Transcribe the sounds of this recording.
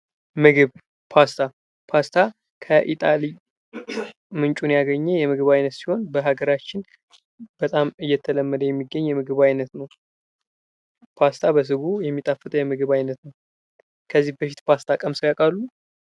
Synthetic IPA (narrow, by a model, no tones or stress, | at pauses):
mɨɡɨβ | pʰast̪ʰa | pʰast̪ʰa | kʰəʔit̪ʼali | mɨnt͡ʃʼunjaɡəɲːɛjɛmɨɡɨβajnət̪siho̞nbəɦaɡəɾat͡ʃːɪn | b̥ət̪ʼamɨjːɛt̪ʰːələmːəd̪əjɛmːiɡːəɲːjɛmɨɡɨβajnət̪nəw | pʰast̪ʰabəs̬ɨɡujɛmːit̪ʼafɨt̪ʼjɛmɨɡɨβajnət̪nəw | kʰəzːihbəʃit̪pʰast̪ʰakʼəmsɨwjakʼalːu